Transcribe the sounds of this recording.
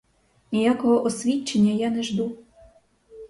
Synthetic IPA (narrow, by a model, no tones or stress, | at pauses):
nʲijakɔɦɔʔɔsʲʋʲit͡ʃːenʲːɐjanɛʒd̪u